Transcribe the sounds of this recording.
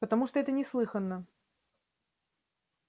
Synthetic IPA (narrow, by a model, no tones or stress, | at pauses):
pət̪ɐmuʂt̪oɛt̪ənʲɪslˠɨxənːə